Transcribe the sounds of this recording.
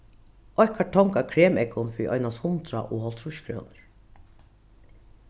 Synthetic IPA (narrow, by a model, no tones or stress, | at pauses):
ɔhkaʈʰɔŋkakʰɾeːmɛkʊnfiʔɔ̰jnashʊnt̪ɾa̰ʔoːhɔl̥t̪ʰɾʊʃkʰɾo̰ːnəɹ